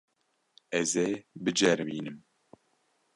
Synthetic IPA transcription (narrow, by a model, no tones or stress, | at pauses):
ɛzebɨd͡ʒɛɾmiːnɨm